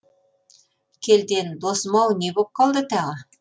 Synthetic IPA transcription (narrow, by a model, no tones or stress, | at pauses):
kʲʰeld̪end̪osmɑwnebop̚qʰɑlˠd̪ət̪ɑʁə